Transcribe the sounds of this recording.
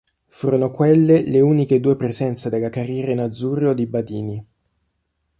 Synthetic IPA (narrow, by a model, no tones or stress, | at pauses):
fuːɾonokwelːeleuːniked̪uːepɾezɛnt̪sad̪elːakarjɛːɾainad̪zuːɾeod̪ibad̪iːni